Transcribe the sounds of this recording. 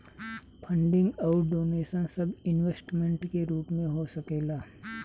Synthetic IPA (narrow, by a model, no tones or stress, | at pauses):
pʰɐ̃ɳɖɪ̃ŋɡɔːɾɖoːneːsə̃nsɐbɪnʋeːsʈmẽɳʈkeɾuːpmẽɦosɐkeːlaː